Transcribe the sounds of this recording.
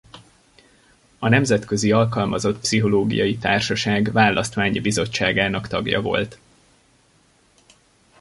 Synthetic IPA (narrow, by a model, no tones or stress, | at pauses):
ɒnɛmzɛt̪kø̞ziɒlkɒlmɒzo̞t̪psiɦo̞loːɡḭjɒjit̪aːrʃɒʃaːɡvaːlːʔɒst̪ʋaːɲibizo̞t͡ʃːaːɡaːnɒkt̪ɒɡjɒ̰vo̞̰lt̪